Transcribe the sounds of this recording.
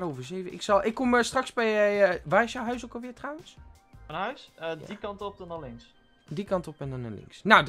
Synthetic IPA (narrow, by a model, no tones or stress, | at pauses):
roːvəɹzejvəʔɪ̰ksɑlˠʔɪkːɔməstrɑksbɛjəʋaːɪsjawɦœɥsokəlˠʋɪːɹtrawəns | fənɦœɥsədikɑntɔp̚dɔnalɪŋs | dikɑntɔpɛndɑna̰lɪ̰ŋksnawd